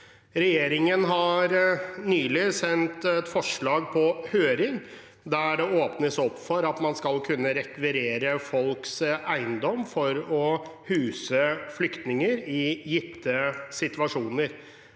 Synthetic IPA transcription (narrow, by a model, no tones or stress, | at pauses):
ɾɛjeːɾɪŋənɦɑɾnyːlɪsɛnt̪ɛt̪fɔʂɭɑːɡ̚pʰɔhøːɾɪŋ | d̪æɖɛoːpnəsɔpːfɔɾɑt̪mɑnskɑlkʰʉnːəɾɛkʋɪɾeːɾəfɔlksæɪnd̪ɔmːfɔɾɔhʉːsəflʏkt̪nɪŋəɾɪjɪt̪ʰːəsɪt̪ʋɑʂuːnəɾ